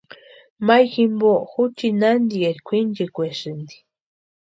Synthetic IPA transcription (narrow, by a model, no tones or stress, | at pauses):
majximboxut͡ʃinand̪ieɾkʷind͡ʒikʷeʃɨnd̪i̥